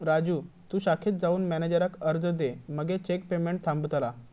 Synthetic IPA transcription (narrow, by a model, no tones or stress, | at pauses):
ɾad͡ʑuː | t̪ũːɕakʰiːt̪̚d͡zauːnmɛned͡ʑəɾakəɾd͡zəd̪eməɡet͡ɕek̚pemeɳʈ̚t̪ʰãmbut̪la